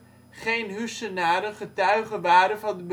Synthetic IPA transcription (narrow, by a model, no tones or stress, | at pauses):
χejnɦysənaːɾəχətœɥχəʋaːɾənvɑndəb